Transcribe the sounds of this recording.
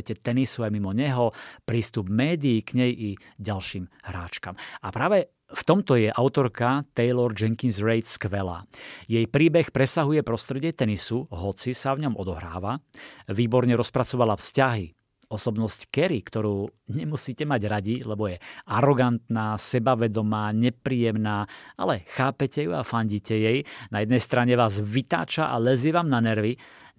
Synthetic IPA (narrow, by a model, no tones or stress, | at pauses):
cɛt̪ɛnisuajmimɔɲɛɦɔpɾiːst̪ubmɛːd̪iːkɲɛjʔiɟalʃiːmhɾaːt͡ʃkamapɾaːʋɛ | ft̪ɔmt̪ɔjɛʔaʊt̪ɔɾkat̪ɛjlɔɾd͡ʒɛŋkinzɾɛjt̪skʋɛla̰ːjɛjpɾiːbɛxpɾɛsaɦujɛpɾɔst̪ɾɛɟɪɛt̪ɛnisuɦɔt͡sisavɲɔmɔd̪ɔɦɾa̰ːʋaʋiːbɔɾɲɛɾɔspɾat͡sɔʋalafscaɦi | ɔsɔbnɔsckɛɾikt̪ɔɾuːɲɛmusiːcɛmaɟɾaɟilɛbɔjɛaɾɔɡant̪naːsɛbaʋɛd̪ɔmaːɲɛpɾiːjɛmnaːa̰lɛxaːpɛcɛjuafaɲɟicɛjɛjnajɛd̪nɛjst̪ɾaɲɛʋaːzʋit̪a̰ːt͡ʃaʔa̰lɛziɛʋaːmnanɛɾʋi